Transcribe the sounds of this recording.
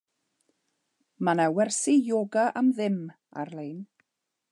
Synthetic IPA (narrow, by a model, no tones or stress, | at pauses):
manawɛrsijoːɡaʔamðɪm | a̰rlejn